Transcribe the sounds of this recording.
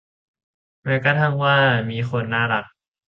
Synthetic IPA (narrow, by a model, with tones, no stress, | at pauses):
mɛː˦˧˥wka˧˩t̪ʰa˥˩ŋwaː˥˩miː˧˥xo˧nːaː˥˩ɾa˦˥k̚